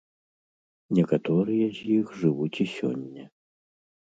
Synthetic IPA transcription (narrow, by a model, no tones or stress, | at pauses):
nʲɛkat̪ɔɾɨjɛzʲjixʐɨvut͡sʲisʲɔ̰nʲːɐ